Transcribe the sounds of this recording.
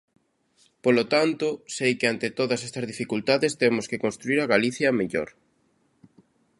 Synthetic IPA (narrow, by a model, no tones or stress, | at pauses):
polot̪ant̪ʊsejkɪant̪ɪt̪oðɐsɛst̪ɐzðifikult̪aðest̪emʊskekonst̪ɾuiɾɐɣaliθjɐmeʎo̰ɾ